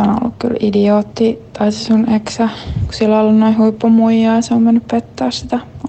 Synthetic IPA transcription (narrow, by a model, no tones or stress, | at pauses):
ono̰lːṵkky̰lidioːt̪ːit̪ɑit̪esuneksæku̥silːɑlːɑnnoihuipːomuijɑiseoːmmenːyppet̪ːɑːssit̪æ